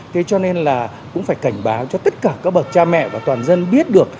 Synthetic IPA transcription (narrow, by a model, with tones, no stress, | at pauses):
t̪ʰe˨˦t͡ɕɔ˧ne˧nlaː˨˩ | kʊ̰˧˥ŋ͡mfaː˧˩jka˧˩jŋ̟ɓaː˨˦wt͡ɕɔ˧t̪ə˦˥t̚kaː˨˧˩kaː˦˥k̚ɓə˨˩t̚t͡ɕaː˧mɛ̰˧˨vaː˨˩t̪waː˨˩nzə˧nɓi˦˥ət̚ɗɨ˨˩ək̚